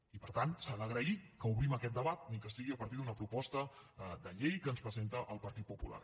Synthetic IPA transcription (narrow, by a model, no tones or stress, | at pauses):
ipəɾt̪ansaðəɣ̞ɾəikəuβɾiməkɛt̪̚d̪əβat̪̚nikəsiɣiəpəɾt̪id̪unəpɾupɔst̪əd̪əʎejkənspɾəzent̪əʔəlˠpəɾt̪it̪̚pupula̰r